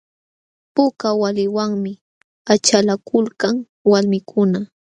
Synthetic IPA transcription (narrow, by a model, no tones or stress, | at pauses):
pʊkawalɪwaŋmɪ | at͡ʃalakʰʊlkaŋ | walmɪkʰʊna